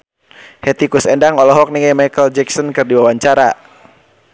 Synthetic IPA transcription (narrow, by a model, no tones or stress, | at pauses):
hɛt̪ikusɛndaŋɔlɔɦɔk̚niŋamajkəld͡ʒɛksɔnkɨrdiwawaɲt͡ʃaɾa̰